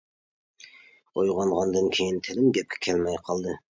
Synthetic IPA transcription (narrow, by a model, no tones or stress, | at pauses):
ojʁɑɴʁɑnd̪ɨnkʲʰejint̪ʰɪlɪmɡʲɛp̚kʲʰɛ̥kʲʰɛlmɛjqʰɑlˠd̪ɨ